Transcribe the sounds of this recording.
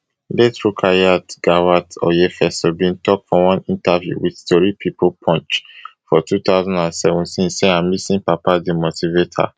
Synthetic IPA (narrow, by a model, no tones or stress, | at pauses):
letɹukʰajatɡ̥awatɔ̰jefɛsobĩntɔk̚tfɔwɔ̃nĩntavjṵwidstɔɹipʰipʰopʰɔ̃nt͡ʃfɔtut̪aʊzãndãnsɛvɔ̃ntʰĩnseãmlisĩnpapadimotivetʰa̰